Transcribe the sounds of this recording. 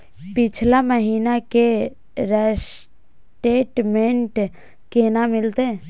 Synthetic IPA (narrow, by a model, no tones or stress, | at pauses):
pɪt͡ʃʰlaməɦiːnake | ɾəs | ʈeːʈmẽɳʈ | kenamɪlt̪e